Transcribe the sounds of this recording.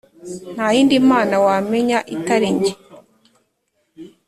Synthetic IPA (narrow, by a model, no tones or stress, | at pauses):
n̥hajiːndimaːnawame̞ɲaʔitaɾiɲe